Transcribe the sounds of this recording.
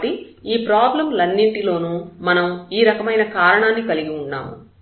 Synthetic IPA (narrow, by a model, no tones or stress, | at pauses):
ʈiiːpɾaːblɐmlɐnːiɳʈilo̞ːnuːmɐnɐmiːɾɐkɐmɐjnɐkaːɾɐɳaːnːikɐliɡiuɳːa̰ːmṵ